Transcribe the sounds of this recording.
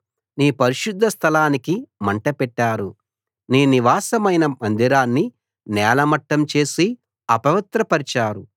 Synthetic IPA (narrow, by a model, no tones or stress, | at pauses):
niːpɐɾiʃud̪ʱːɐst̪ʰɐlaːnikimɐɳʈɐpɛʈːaːɾu | niːniʋaːsɐmɐjnɐmɐnd̪iɾaːnːi | nɛːlɐmɐʈːɐmt͡ʃe̞ːsi | ɐpɐʋɐt̪ɾɐpɐɾit͡ʃaːɾu